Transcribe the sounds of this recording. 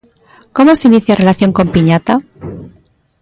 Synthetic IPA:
ko̞moseiniθjare̞laθjo̞ŋko̞mpiɲat̪a

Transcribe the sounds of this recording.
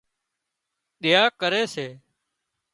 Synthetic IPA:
ɗɪjaːkəɾeːseː

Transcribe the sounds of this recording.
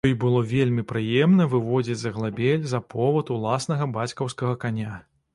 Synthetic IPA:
ɔjbɨlˠɔvʲelʲmʲipɾɨjɛmnɐvɨvɔd͡zʲid͡zʲzɐɣlˠabʲɛlʲzɐpʰɔvɐt̪ulˠasnɐɣɐbat͡sʲkɐwskɐɣɐkanʲa

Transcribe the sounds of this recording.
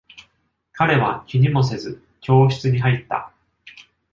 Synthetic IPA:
kaɾe̞βakʲiɲ̟imo̞se̞zɨ | kʲo̞ːɕi̥t͡sɨɲ̟iɦait̪ːa̰

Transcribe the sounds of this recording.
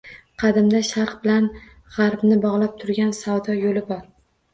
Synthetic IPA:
qʰɑd̪ɪmd̪aʃaɾqbɪlan | ʁɑɾbnɪbɒʁlˠap̚t̪ʰʊɾɡʲansawd̪ɒjolɪbɒɾ

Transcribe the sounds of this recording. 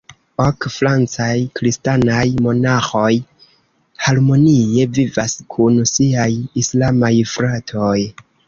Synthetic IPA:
okfɾant͡sajkɾistanajmo̞naxo̞j | haɾmo̞nie̞vivaskʰunsiajislamajfɾatʰoj

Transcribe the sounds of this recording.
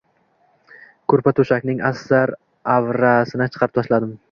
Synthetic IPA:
kʰɵɾpat̪ʰoʃakʲnɪŋasːaɾ | avɾasɪnat͡ʃʰɨ̥qʰɑɾɪp̚t̪ʰaʃlad̪ɪm

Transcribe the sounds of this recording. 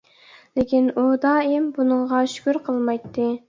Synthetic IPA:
lɪkʲinud̪ɑːimbunɨŋʁɑʃy̥kʲyɾqʰəlˠmɑjt̪ʰːɨ

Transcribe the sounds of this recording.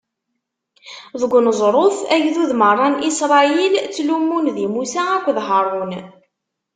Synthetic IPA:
ðəɡʷːnəzˤɾˤoθæjðuðmərˤːɑnisɾˤɑjilt͡sːlumːunðimusæækʷːðɦəɾˤon

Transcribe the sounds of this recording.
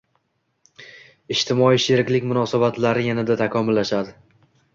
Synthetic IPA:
ɪʃt̪ʰɪmɒiʃeɾɪkʲlɪkʲmʊnɒsabat̪laɾɪjanɪd̪at̪ʰakʰɒmʊlːaʃad̪ɪ

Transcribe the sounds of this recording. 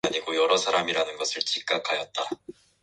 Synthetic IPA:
aɲiɡojʌɾʌsʰaɾamiɾanɯnɡʌsʰɯɭt͡ɕʰik̚k͈akʰajʌt̚t͈a

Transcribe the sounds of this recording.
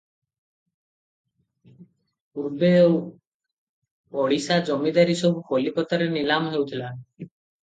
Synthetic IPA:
puɾbeo | ɔɽisad͡ʒɔmid̪aɾisɔbʱukʰolipɔt̪ɔɾenilamɔɦewt̪ʰila

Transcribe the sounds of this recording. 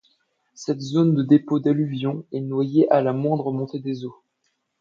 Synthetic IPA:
sɛt̪zond̪əd̪epod̪alyvjɔ̃ɛnwajeʔalamwɛ̃d̪ʁəmɔ̃t̪ed̪ezo

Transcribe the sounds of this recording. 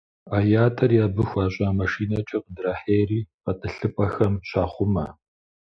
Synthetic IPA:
aːjaːtʰʼɐrjaːbɨxʷaːɕʼaːmɐʂiːnɐt͡ʃʼɐqədraːħeːriːqɐtʼɨɬɨpʼɐxɐmɕʰaːχʷʊmɐ

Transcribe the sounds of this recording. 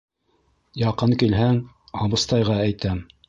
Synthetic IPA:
jɑqɤŋkilɦæŋ | ɑβɤ̆st̪ɑjʁɑæjt̪æm

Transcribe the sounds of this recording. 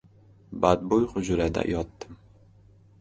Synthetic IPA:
bad̪̚bʊjqʊd͡ʒʊɾad̪a̰jʔɒt̪ːɪm

